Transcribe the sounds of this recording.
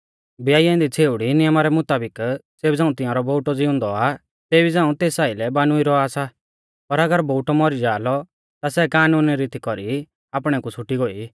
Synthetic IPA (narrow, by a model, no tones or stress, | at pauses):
bjaːjãɪ̃nd̪it͡sʰeːʊɽinɪjəmaɾɛmʊt̪aːbɪkseːbd͡zãːũt̪ɪ̃jãːɾɔboːʊʈɔd͡zɪʊ̃nd̪ɔa | t̪eːbid͡zãːũt̪eːsaːɪlɛbaːnuiɾɔaːsa | pɐɾɐɡəɾboːʈɔmɔɾid͡ʒaːlɔ | t̪asɛkaːnuːnɾit̪ikɔɾi | aːpɽ̃ɛkut͡sʰʊʈiɡoːi